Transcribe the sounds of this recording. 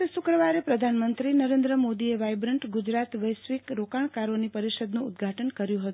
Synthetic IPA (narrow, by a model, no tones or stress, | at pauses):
eʃʊkɾəʋaɾepɾəd̪ʱanmənt̪ɾinəɾend̪ɾəmod̪ieʋajbɾəɳʈɡʊd͡ʒɾat̪ʋəjsʋikɾokaɳkaɾonipəɾiʃəd̪nũʊd̪ɡʱaʈʰənkəɾjũɦət̪u